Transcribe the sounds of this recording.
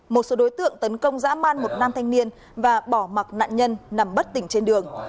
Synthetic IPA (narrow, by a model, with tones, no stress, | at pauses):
mo˨˩t̚so˨˦ɗo˨˦jt̪ɨ̰˧˨əŋt̪ə˨˦nkə˧wŋ͡mza̰ː˧˥maː˧nmo˨˩t̚naː˧mt̪ʰa˧jŋ̟ni˧ən | vaː˨˩ɓɔ˧˩ma˨˩k̚na̰ː˧˨nɲə˧nːa˨˩mɓə˦˥t̚t̪ï˧˩ŋ̟t͡ɕe˧nɗɨ˨˩əŋ